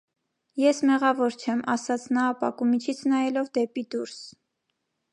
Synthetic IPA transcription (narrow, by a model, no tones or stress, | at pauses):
jɛsmɛʁɑvɔɾt͡ʃʰɛmɑ̰sɑt͡sʰnɑːpɑkumit͡ʃʰit͡sʰnɑjɛlɔvd̪ɛpid̪uɾs